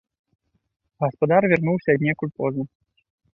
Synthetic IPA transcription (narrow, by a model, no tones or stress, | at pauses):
ɣɐspad̪arvʲɛrnuwsʲɐd̪nʲɛkulʲpɔznɐ